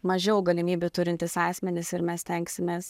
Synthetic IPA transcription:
mɐʒʲɛʊɡɐlʲɪmʲiːbʲut̪ʊɾʲɪnʲt̪ʲɪsɑːsʲmʲɛnʲɪsɪɾmʲɛsʲt̪ʲɛŋksʲɪmʲeːs

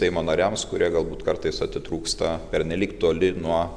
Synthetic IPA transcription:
sɛɪmoːnɐɾʲæmskʊɾʲiɛɡɐlˠbuːt̪kɐɾt̪ɐɪsɐt̪ʲɪt̪ɾuːkst̪ɐpʲɛɾʲnʲɛlʲiːkt̪uɔlʲɪnuɔ

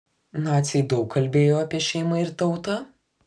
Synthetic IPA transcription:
nɑːt̪sʲɪɪd̪ɒʊkʰːɐlʲbʲeːjoːɐpʲiɛʃʲɛɪmɐɪɾt̪ɐʊt̪ɑ

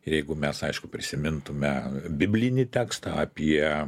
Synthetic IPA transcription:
ɪjɛɪɡʊmʲɛsɐɪʃkʊpʲɾʲɪsʲɪmʲɪnt̪ʊmʲɛbʲɪbʲlʲɪnʲit̪ʲæːkst̪ɐɐpʲiɛ

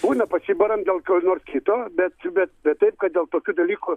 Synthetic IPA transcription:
buːnɐpɐsʲiːbɐɾɐmd̪ʲeːlˠkʲoːnoːrskʲit̪oːbʲɛt̪bʲɛt̪̚bʲɛt̪t̪ːɐɪp̚kɐt̪̚d̪ʲeːlˠt̪oːkʲuːd̪ɐlʲiːkʊ

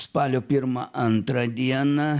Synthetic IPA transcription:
spɑːlʲoːpʲɪɾmɐʔɐnt̪ɾɐd̪ʲiɛnɐ

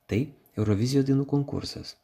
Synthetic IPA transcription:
t̪ɐɪ | ɛʊɾɔʋʲɪzʲɪjoːd̪ʲinuːkɔŋkʊ̰ɾsɐ̰s

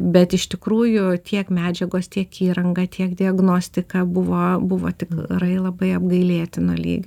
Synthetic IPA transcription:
bʲɛt̪ɪʃt̪ʲɪkɾuːjʊt̪ʲʰiɛkmʲæːd͡ʒʲɛɡoːst̪ʲiɛkiːɾɐŋɡɐːt̪ʰʲiɛkd̪ʲɪɐɡnoːsʲt̪ʲɪkɑbʊʋoːbʊʋo̰t̪ʲɪkrɐɪlˠɐbɐɪɐbɡɐɪlʲeːt̪ʲɪnoːlʲḭːɡʲ

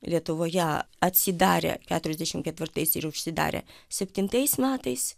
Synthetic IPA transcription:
lʲiɛt̪ʊʋoːjɛ | ɐt̪ʲsʲɪd̪ɑːɾʲɛ̰kʲæːt̪ʊɾʲɛzd̪ʲæʃʲɪmkʲɛt̪ʲʋʲɪrt̪ɐɪsɪɾʊʃʲsʲɪd̪ɑ̰ːɾʲɛ̰sʲɛpʲt̪ʲɪnt̪ɐɪsmʲæːt̪ɐɪs

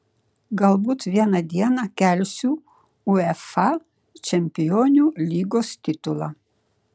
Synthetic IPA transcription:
ɡɐlˠbuːt̪ʋʲiɛnɐd̪ʲiɛnɐkʲɛlʲsʲuː | ʊɛfɑ | t͡ʃʲɛmʲpʲɪjoːnʲuːlʲiːɡoːst̪ʲɪt̪ʊlˠɑː

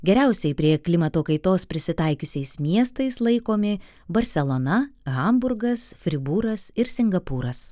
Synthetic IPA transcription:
ɡʲɛɾʲæʊsʲɛɪpʲɾʲiɛklʲɪmɐt̪oːkɐɪt̪oːspʲɾʲɪsʲɪt̪ɐɪkʲʊsʲɛɪsmʲiɛst̪ɐɪslˠɐɪkoːmʲɪ | bɐɾʲsʲɛlˠonɐɣɐmbʊɾɡɐsfʲɾʲɪbuːɾɐsɪɾsʲɪŋɡɐpuːɾɐs

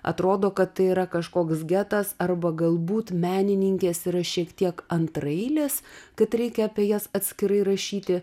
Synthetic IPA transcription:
ʔɐ̰t̪ɾoːd̪oːkɐt̪tːɐɪiːɾɐkɐʃkoːksɡʲæːt̪ɐsɐrbɐɡɐlˠbuːt̪mʲæːnʲɪnʲɪŋʲkʲeːsiɾɐʃʲiɛkt̪ʲiɛkɐnt̪ɾɐɪlʲeːskɐt̪ɾʲɛɪkʲɛɐpʲiɛjɛsɐt̪ʲsʲkʲɪɾɐɪɾɐʃʲiːt̪ʲɪ

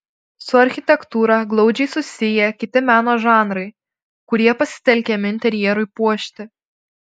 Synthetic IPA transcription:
sʊɐɾʲxʲɪt̪ʲɛkt̪uːɾɑɡlˠɒʊd͡ʒʲɛɪsʊsʲɪjɛkʲɪt̪ʲɪmʲæːnoːʒɑːnɾɐɪ | kʊɾʲiɛpɐsʲɪ̥t̪ʲɛlʲkʲɛmʲɪɪnʲt̪ʲɛɾʲjɛɾʊɪpuɔʃʲt̪ʲɪ

